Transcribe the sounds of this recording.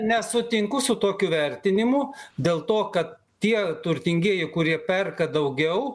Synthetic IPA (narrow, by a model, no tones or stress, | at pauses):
nʲɛsʊt̪ʲɪŋkʊsʊt̪oːkʲuːʋʲɛɾʲt̪ʲɪnʲɪmʊd̪ʲeːlˠt̪oːkɐt̪ | tʲiɛt̪ʊɾʲt̪ʲɪŋʲɡʲiɛjɪkʊɾʲiɛpʲɛrkɐd̪ɐʊɡʲɛʊ